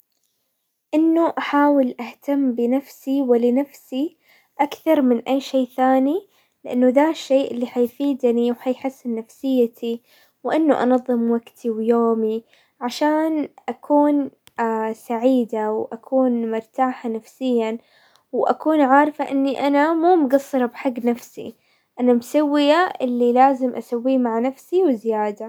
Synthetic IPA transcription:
ʔɪnːuʔaħaːwɪlʔaht̪amːbɪnafsiwɪlɪnafsi | ʔakθɑɾˤmɪnʔajːʃeːʔθaːni | lɪʔanːuðaːʃːeːʔɪlːiħajfiːd̪niwħajħɪsːɪnnafsɪjːat̪ʰi | wʔɪnːuʔɑ̰nɑðˤːɨmwaɡt̪ʰiwjoːmi | ʕaʃaːnʔakʰuːn | saʕiːd̪awʔakʰuːnmʊɾt̪aːħanafsɪjːan | wʔa̰kuːnʕɑːɾfaʔɪnːiʔanamuːmɡɑsˤːɨɾˤɑbħaɡːnafsḭ | ʔanamsawːɪjaʔɪlːilaːzɪmʔasawːiːmaʕnafsiwɪzɪjaːd̪a

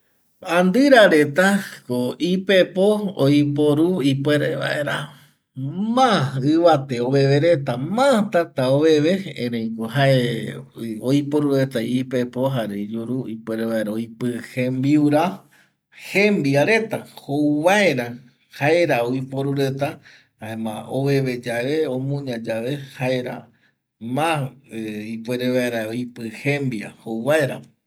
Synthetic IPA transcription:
ãnd̪ɨɾaɾe̞t̪akoipepoojpoɾuipweɾeβa̰ʔeɾa | mãɨβat̪eoβe̞ʋeɾet̪amãt̪at̪aoβe̞ʋeḛ̃ɾẽj̃koɦae | ojpoɾuɾe̞t̪aipepoɦaɾed͡ʒuɾuipweɾeβaeɾaojpɨhẽmbiuɾa | hembiaɾe̞t̪ahouβaeɾa | haeɾaoipoɾuɾet̪a | aẽmã̰oβeβed͡ʒaβeõmũɲãd͡ʒaʋehaeɾa̰ | mã | ipweɾeβaeɾaoipɨhẽmbja̰houβaeɾa̰

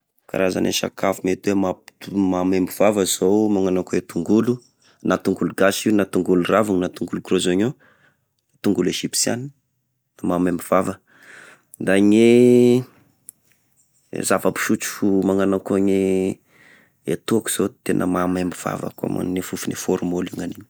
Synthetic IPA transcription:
ka̰ɾaza̰nḛʃa̰kafumet̪uwemapt̪umamembiv̥avəz̥owmaŋanakoet̪uŋɡulu | nat̪uŋɡuluɡasiunat̪uŋɡuluravuŋnat̪uŋɡulukɾozaɲo | at̪uŋɡuleʒipi̥sia̰ni | mamembiv̥avə | d̪aɲe | zavapi̥ʃut͡si̥fumaŋanakoɲe | ḛt̪uaku̥z̥ot̪enʔə̰mamembiv̥a̰va̰ka̰ma̰nnefufunefoɾumoliŋaniɲi̥

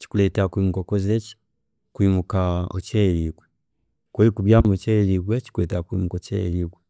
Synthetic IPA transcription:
t͡ʃi̥kulɛtɛakwimukɔkɔzɛt͡ʃi̥ | kwimukaɔ̰t͡ʃɛliɡwɛ | kɔlikubjamut͡ʃɛliɡwɛt͡ʃi̥kulɛtɛakwimukɔt͡ʃɛ̰liɡwɛ

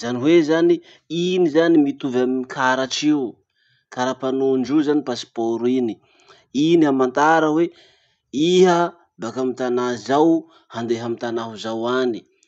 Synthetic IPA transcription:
z̥aniɦwezani | inizanimit̪uvamikʰaɾaʈ͡ʂiu | kaɾapanoɳɖ͡ʐuzanipasi̥poɾini | iniamant̪aɾəwe | iɦə | bakamit̪anazaw | hand̪eɦamint̪anaɦuzawani̥

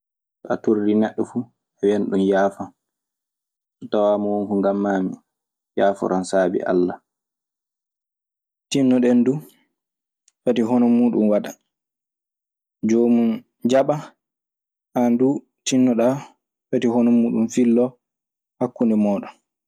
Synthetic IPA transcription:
sɔatoɾdinɛɗːɔfu | awɛnɗunjaːfan | sɔtawaːmɔwoŋkuŋɡamːaːmi | jaːfɔ̰ɾansaːbḭʔa̰lːa | tinːɔɗɛndu | fatiɦɔnɔmuːɗunwaɗa | d͡ʒoːmun | d͡ʒaɓa | ʔandu | tinːɔɗa | fatihɔnɔmuːɗunfilːɔ | hakːundɛmɔːɗɔn

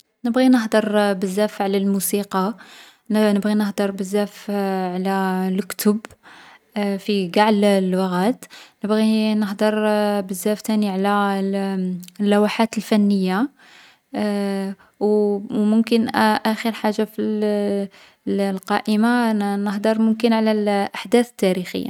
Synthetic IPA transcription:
nəbɣinəɦd̪əɾˤbəzːæfʕlælmusiqɑ | nnəbɣinəhd̪əɾˤbəzːæfʕlælkt̪ʊb | fiɡɑʕllwɑɣæt̪nəbɣinəɦd̪əɾˤbəzːæft̪æniʕlæ | lːæwaħat̪əlfænːəjːa | wmʊmkənʔæxəɾħaʒːafi | lqɑʔəmanəhd̪əɾˤmʊmkənʕlælʔaħd̪æθət̪ːæɾixə̰jːa̰

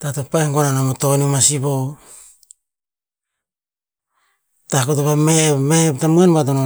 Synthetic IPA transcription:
tatopaeŋkoananamotonimasibo | takotoβamemeptamuenβat̬ono

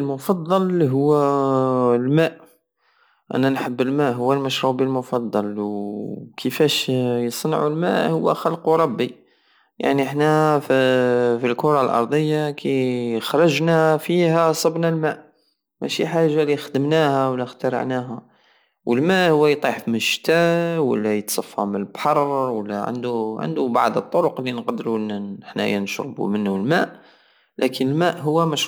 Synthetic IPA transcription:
əlmʊfɑd̪ˤːɑlɦʊwːæ | lmæʔ | ʔæ̰nænħəbːəlmæʔɦʊwːælmæʃɾubəlmʊfɑd̪ˤːɑlwkʰəfæʃjəsˤnʕulmæʔhʊwːæ̰xɑlquɾˤɑbːi | ja̰ʕniəħnæffilkʊɾˤɑlʔɑ̰ɾˤd̪ˤəjːakʰæxɾˤɑʒnæfihæsˤɑbnælmæʔ | mæ̰ʃiħaʒːalixəd̪əmnæhæwlːixt̪ɑɾə̰ʕnæɦæ | wəlmæʔhʊwːæjt̪ˤiħfiməʃt̪æwə̰lːæjət̪sˤɑfːɑmənəlbħɑrˤwəlːæʕə̰nd̪uʕə̰nd̪ubaʕd̪ət̪ˤːoɾʊqlːinqd̪ɾunːəħnæ̰jænʃɾˤbṵmənːulmæʔ | lʔækʰənəlmæʔɦʊwːæmæʃ

